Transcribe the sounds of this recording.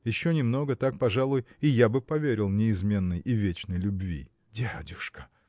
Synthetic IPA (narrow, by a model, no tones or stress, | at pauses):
jɪɕːonʲɪmno̞ɡət̪ak̚pɐʐalˠʊjɪjabɨpɐvʲeɾʲɪlˠnʲɪɪzmʲe̞nːəjʔɪvʲet͡ɕnəjlʲʊbvʲḭ | dʲedʲʊʂkə̥